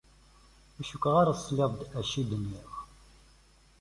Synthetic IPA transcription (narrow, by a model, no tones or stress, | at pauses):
æʃukʷːʁaɾˤasˤːliðˤd̪æʃid̪ənjæx